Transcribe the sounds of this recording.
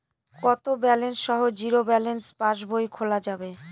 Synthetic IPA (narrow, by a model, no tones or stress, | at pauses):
kɔt̪obɛlensʃɔɦod͡ʑiɾobɛlenspaʃ̬bʱojkʰolad͡ʑabe